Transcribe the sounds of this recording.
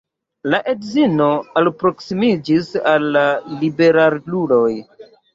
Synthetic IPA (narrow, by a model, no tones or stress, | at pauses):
laʔe̞dzino̞alpɾo̞ksimid͡ʒisalːalibe̞ɾaɾlulo̞j